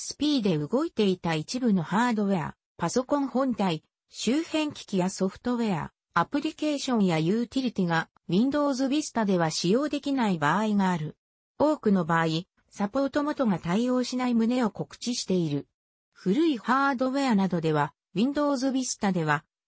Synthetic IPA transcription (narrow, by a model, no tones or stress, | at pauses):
sɨ̥pʲiːd̪e̞ɯɡo̞it̪e̞it̪ait͡ɕibɯ̟no̞haːd̪o̞βe̞a̰ | paso̞kõ̞ɰ̃hõ̞nt̪ai | ɕɨːhẽ̞ŋkʲi̥kʲijaso̞ɸɯ̟̥t̪o̞βe̞a̰ | apɯ̟ɾʲike̞ːɕõ̞ɰ̃jajɯ̟ːt̪ʲiɾʲit̪ʲiɡa | wĩnd̪o̞ːzɨbʲisɨ̥t̪ad̪e̞βaɕijo̞ːd̪e̞kʲinaibaːiɡaːɾɯ̟ | o̞ːkɯ̟no̞baːi | sapo̞ːt̪o̞mo̞t̪o̞ɡat̪aijo̞ːɕinaimɯ̟ne̞o̞ko̞kɯ̟̥t͡ɕiɕi̥t̪e̞iɾɯ̟ | ɸɯ̟ɾɯ̟ihaːd̪o̞βe̞anad̪o̞d̪e̞βa | wʲĩnd̪o̞ːzɨbʲisɨ̥t̪ad̪e̞β̞a